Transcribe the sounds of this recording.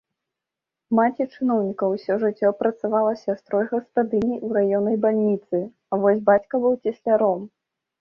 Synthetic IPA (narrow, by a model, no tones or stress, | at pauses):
mat͡sʲit͡ʂɨnɔwnʲikɐwsʲɔʐɨt͡sʲːɔpɾɐt̪savalˠɐsʲast̪ɾɔjɣɐspad̪ɨnʲiʔuɾajɔnɐjbalʲnʲit̪sɨ | avɔsʲbat͡sʲkɐbɨwt͡sʲisʲlʲaɾɔm